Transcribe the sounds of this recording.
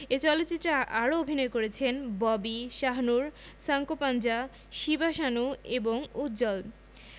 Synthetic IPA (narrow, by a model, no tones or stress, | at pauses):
et͡ɕɔlot̪ːt͡ɕit̪ːɾaʔaɾoobʱinɔekoɾet͡ɕʰenbɔbiʃaɦnuɾ | saŋkopand͡ʑa | ʃibaʃanueboŋut̪ːd͡ʑɔl